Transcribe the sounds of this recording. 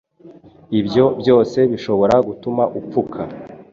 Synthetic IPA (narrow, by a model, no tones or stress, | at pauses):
ibjo̞bjo̞ːse̞βiʃo̞βo̞ɾaɡutumaʔup͡fukʰa